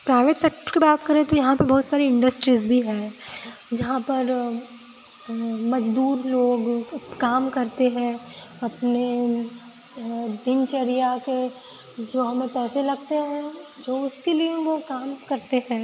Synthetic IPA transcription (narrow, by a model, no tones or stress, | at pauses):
pɾaːɪʋeːʈsɛk̚ʈəɾkebaːt̪kɐɾẽt̪ojɐɦãpɐɾbɔːt̪saːɾiɪ̃ɳɖəsʈɾiːzbʱiɦɛ̃ːd͡ʒɐɦãpɐɾ | mɐd͡ʒd̪uːɾloːɡkaːmkɐɾt̪eɦɛ̃ːɐpne | d̪ɪnt͡ʃɐɾijake | d͡ʒoːɦɐmẽpɛːselɐɡ̚t̪eɦɛ̃d͡ʒoːʊskelieʋokaːmkɐɾt̪eɦɛ̃ː